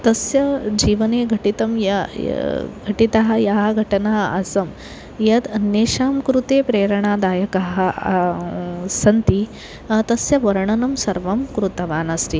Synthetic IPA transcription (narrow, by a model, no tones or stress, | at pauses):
t̪ɐsjɐd͡ʒiːʋɐneːɡʱɐʈit̪ɐmjɐ̰ | ɡʱɐʈit̪ɐɦɐjaɦɐɡʱɐʈɐnaːɦɐɐ̰sɐm | jɐd̪ɐnjeːʃaːmkɾut̪eːpɾeːɾɐɳaːd̪aːjɐkɐɦɐ | sɐnt̪i | t̪ɐsjɐʋɐɾɐɳɐnɐmsɐɾʋɐmkɾut̪ɐʋaːnɐst̪i